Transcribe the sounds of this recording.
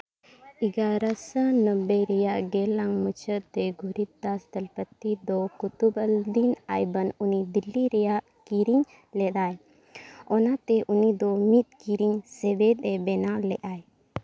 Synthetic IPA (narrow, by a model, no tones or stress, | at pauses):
iɡaɾasənəbːɛɾɛjaʔɡɛlaŋmut͡ʃʰət̪ɛɡʱuɾit̪̚d̪asd̪əlpət̪ːid̪ɔkut̪ubəld̪inajbənunid̪ilːiɾɛjaʔ | kiɾiɲ | lɛd̪aj | ɔnat̪ɛʔunid̪ɔmit̪̚kiɾiɲsɛbɛd̪ɛbɛnalɛʔaj